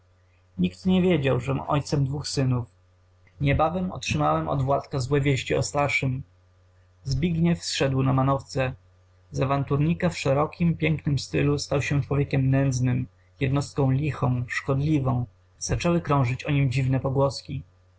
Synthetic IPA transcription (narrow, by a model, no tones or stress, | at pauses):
ɲikt̪ɲɛvʲjed͡ʑawʐɛmʔɔ̰jt̪sɛmd̪vuxsɘnuf | ɲɛbavɛmɔ̰tʂɘmawɛmɔ̰d̪vwat̪kazwɛvʲjeɕt͡ɕiɔ̰st̪aɾʂɘm | zbʲiɡɲɛfsʂɛd̪wnamanɔft̪sɛ | zavant̪uɾɲikafʂɛɾɔkʲimpʲjɛŋknɘmst̪ɘlust̪awɕɛt͡ʂwɔvʲjekʲɛmnɛnd̪znɘm | jɛd̪nɔst̪̚kɔ̃w̃lʲixɔ̃w̃ʂkɔd̪lʲivɔ̃w̃ | z̥at͡ʂɛwɘkɾɔ̃w̃ʐɘt͡ɕɔɲimd͡ʑivnɛpɔɡwɔskʲi